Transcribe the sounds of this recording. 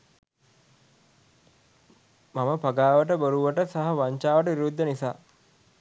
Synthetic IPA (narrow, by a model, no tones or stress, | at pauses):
maməpaɡaːʋəʈəbəɾuʋəʈəsaɦɐʋaɲt͡ʃaːʋəʈəʋiɾud̪ːənisa̰ː